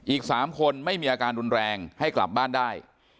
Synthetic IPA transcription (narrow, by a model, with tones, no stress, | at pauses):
ʔiː˨˩k̚saː˩˦mkʰo˧nma˥˩jmiː˧ʔaː˧kaː˧nɾu˧nɾɛː˧ŋha˥˩jkla̰˨˩p̚baː˥˩ndaː˥˩j